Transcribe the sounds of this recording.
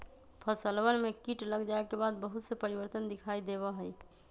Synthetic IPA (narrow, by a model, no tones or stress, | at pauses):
pʰəsəlwənmekiʈləɡd͡ʒaekebad̪̚bəɦut̪səpəɾibəɾt̪ənd̪ikʰaid̪eβəɦəj